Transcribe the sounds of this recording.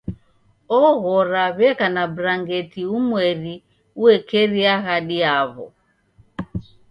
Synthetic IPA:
ɔɣɔɾaβɛkanabɾaŋɡɛtiumwɛɾi | uɛkɛɾiaɣaɗiaβɔ̰

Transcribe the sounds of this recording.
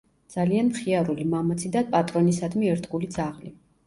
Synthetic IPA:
d̪z̥alianmχiaɾulimamat̪sʰid̪apʼat̪ʼɾɔnisad̪miɛɾt̪ʰɡulid̪zaʁli

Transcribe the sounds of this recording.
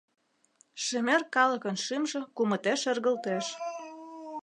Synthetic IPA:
ʃemerkɑlɤ̆kənʃimʒɤ̆kumɤ̆t̪eʃĕrɣə̆lt̪eʃ

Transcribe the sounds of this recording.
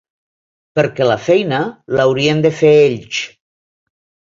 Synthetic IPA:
pəɾkɛlafɛjnəlawɾiənd̪əfeeʎs

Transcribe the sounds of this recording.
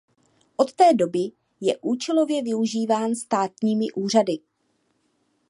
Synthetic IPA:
ʔo̞t̪ːɛːdo̞bɪ | jɛʔuːt͡ʃɛlo̞vjɛvɪuʒiːvaːnst̪aːt̪ɲiːmɪʔuːr̝adɪ

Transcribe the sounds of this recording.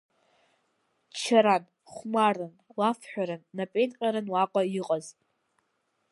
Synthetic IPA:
t͡ʃʰaɾan | χʷmarɨnwafʰħʷᶣaɾɨnːapʼejnqʲʼaɾɨnwaqʷʼaiqʼaz

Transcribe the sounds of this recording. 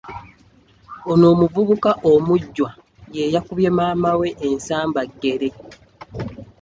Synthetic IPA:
ono̞ːmuvuβukaʔomuɟːwa | jejakuβje̞maːmawe̞ʔːnsaːmbaɡːe̞ɾe̞

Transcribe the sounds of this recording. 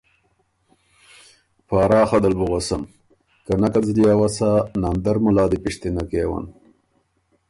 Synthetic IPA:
paːɾɑːxɐd̪albuɣosɐm | kanakad͡zljaːwasanand̪ɐɾmulɑːd̪ipiʂt̪inakeːwa̰n

